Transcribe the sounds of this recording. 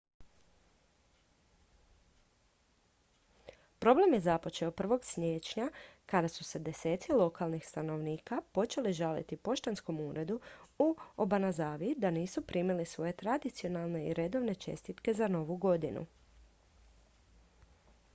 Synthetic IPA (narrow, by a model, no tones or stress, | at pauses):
pɾo̞ble̞mje̞zapo̞t͡ʃe̞opr̩ʋo̞ɡsmʲjeːt͡ʃɲakad̪asuse̞d̪e̞se̞ːt̪silˠo̞kalˠnixst̪ano̞ʋniːkapo̞t͡ʃe̞liʒalḭt̪ipo̞ʃt̪ansko̞muːɾe̞d̪uuobanazaːʋid̪aniːsupɾiːmilisʋo̞je̞t̪ɾad̪it̪sio̞nalˠne̞iɾe̞d̪o̞ʋne̞t͡ʃe̞̰st̪it̪ke̞zano̞ʋuɡo̞d̪inṵ